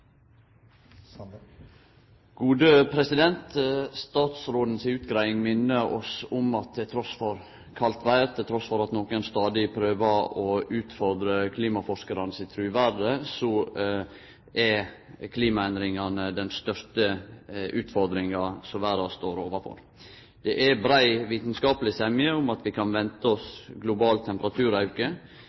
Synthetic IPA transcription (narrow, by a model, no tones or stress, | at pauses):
ɡ̥uːd̪əpʰɾɛsɪd̪ɛnt̪st̪ɑːt̪sɾoːd̪n̩sɪʉːt̪ɡɾæɪɪŋmɪnːəɾɔ̰sʊmɑt̪̚ʰɪlt̪ʰɾɔsfɔɾ | kʰɑlt̪ʋæɪɾt̪ʰɪlt̪ɾɔsfɔɾɑt̪noːkənst̪ɑːd̪ɪpʰɾøːʋɑɔʉːt̪fɔɾd̪ɾəkʰliːmɑfɔʂkɑɾɑnəsɪt̪ʰɾʉːʋæɖəsɔ | ʔɛɾ | kʰliːmɑɛnd̪ɾɪŋɑnəd̪ɛnst̪œʂtəʉːt̪fɔɾd̪ɾɪŋɑsɔʋæːɾɑst̪oːɾoːʋɑfɔ̰ɾ | d̪̥ɛʔæbɾæɪʋiːt̪nskɑːpəlɪsɛmɪəʊmɑt̪ʋɪkʰɑnʋɛnt̪əɔsɡlʊbɑːlt̪ʰːɛmpəɾɑt̪ʰʉːɾɑʉkə